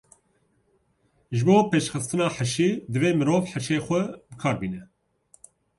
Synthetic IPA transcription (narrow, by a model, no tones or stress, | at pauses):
ʒɨboːpeːʃxɨst̪ɨnɑːħaʃiːd̪ɨveːmɨɾoːvħaʃeːxʷɛbɨkʰɑːɾbiːnɛ